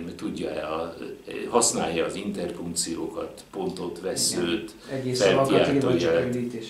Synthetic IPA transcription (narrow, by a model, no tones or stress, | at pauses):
mɛt̪uɟːɒɛɒ | hɒsnaːjːɒːzint̪ɛrfuŋkt̪sijoːkɒt̪po̞nt̪o̞t̪ʋɛsøːt̪ | ɛefɛlia̰ːoɛlit̪eʃ